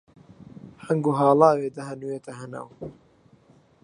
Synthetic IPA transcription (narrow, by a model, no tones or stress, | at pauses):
ħɐŋɡuɦaːlˠaːweːd̪ɐɦɐnujeːt̪ɐɦɐna̰w